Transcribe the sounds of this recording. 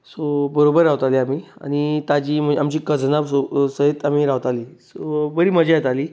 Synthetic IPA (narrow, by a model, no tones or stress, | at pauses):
sobəɾobəɾːaʋt̪aliːamiːa̰ñit̪ad͡ʑiːm̤əamt͡ɕiːkəd͡znaʋsosəɦet̪amiːɾaʋt̪aliːsobəɾiːməd͡ʑajet̪aliː